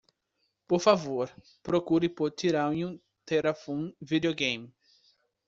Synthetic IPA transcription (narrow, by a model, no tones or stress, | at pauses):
poɾfavoɾ | pɾokuɾɪpoɾt̪iɾãw̃ũ | t̪eɾafũnvid̪ioɡẽj̃m